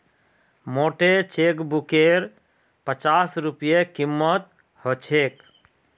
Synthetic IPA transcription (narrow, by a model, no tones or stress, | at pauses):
moʈet͡ʃekbukeɾ | pət͡ʃasɾupijekimːət̪̚ | hot͡ʃʰek